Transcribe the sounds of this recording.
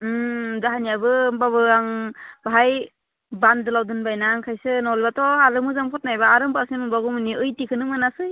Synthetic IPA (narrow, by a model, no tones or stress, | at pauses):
zaɦanijabɯbabɯaŋbɦaj | bandɯlawdɯnbajnaŋkʰajsɯnɔlbatʰɔaɾɯmɯzampʰɔt̚najbaːɾɯmbasimɯbaɡumɯniʔɯjtikʰɯnɯmɯnasɯj